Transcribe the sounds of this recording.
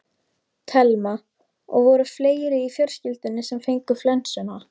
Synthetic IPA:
t̪ʰɛlma | ɔ̰ɣvɔɾʏfleːjɾɪifjœr̥scɪlt̪ʏnːɪsɛmfejŋkʏflɛnsʏna

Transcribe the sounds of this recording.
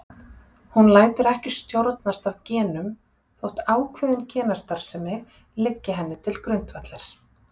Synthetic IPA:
hunlaːjt̪ʏɾɛhcɪ̥st̪jowɾt̪nast̪avcɛːnʏm | θowht̪aːwkʰvœːðʏncʰɛːnast̪aɾ̥sɛmːɪɣ | lɪcːɪɦɛnːɪt̪ʰɪlkɾʏnt̪vat̪lɛɾ̥

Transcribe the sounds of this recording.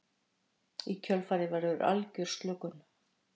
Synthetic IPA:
icʰœlfaːɾɪvaɾvʏɾʔa̰lcʏɾ̥st̪lʏkʏn

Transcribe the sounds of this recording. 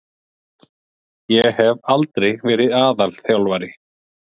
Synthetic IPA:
jɛhɛvalt̪ɾejɣvɛːɾɪðaːðalθjawlvajɾɪ

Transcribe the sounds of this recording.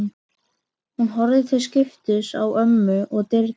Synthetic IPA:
hunɦɔɾðɪθɪscɪft̪ɪsa̰wœmːʏʔɔɣt̪ɪɾ

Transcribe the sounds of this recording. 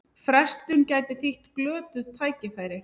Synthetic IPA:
fɾɛst̪ʏncaːjt̪ɪθiht̪klœːt̪ʏðt̪ʰaːjcɪfajɾɪ

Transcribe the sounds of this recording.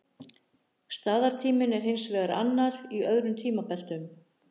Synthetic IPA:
st̪aːðaɾ̥t̪ʰiːmɪnɛɾ̥hɪnsvɛːɣaɾa̰nːaɾiœðɾʏmt̪ʰiːmapɛl̥t̪ʏm

